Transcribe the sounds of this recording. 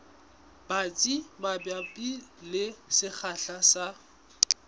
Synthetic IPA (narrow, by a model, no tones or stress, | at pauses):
b̥at͡sʼimabjapʼilɪsɪk͡xʰaɬasa